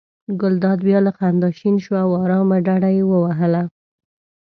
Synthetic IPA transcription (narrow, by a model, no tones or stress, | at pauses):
ɡʊld̪ɑd̪bjɑlaxand̪ɑʃinʃwawɑɾɑmaɖaɽajewəwaɦəla